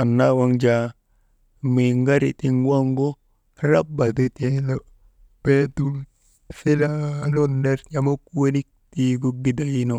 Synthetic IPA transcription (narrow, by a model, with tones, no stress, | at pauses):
a˨nːawa˦ŋd͡ʒa | mi˨ŋɡa˦ɾḭ˨ti˦ŋwa˦ŋɡo˦ | ɾa˦ba˨de˦telo | petu˦l | si˦lalo˦nːe˦ɾɲama˦ku˦e˦ni˦k̚tiɡo˦ɡi˦da˨jino˨